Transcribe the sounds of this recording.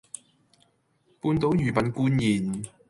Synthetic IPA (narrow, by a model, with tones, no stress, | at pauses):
puː˧nt̪o˨˥wjyː˨˩pɐ˨˥nkuː˥njiː˨˩n